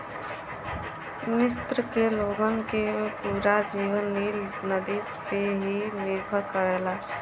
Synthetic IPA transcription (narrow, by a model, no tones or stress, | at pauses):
mɪst̪ɾəkeloɡənkepuɾad͡ʒiːʋənːilnəd̪iːspeɦimɪɾbʰʱəɾkəɾɛːla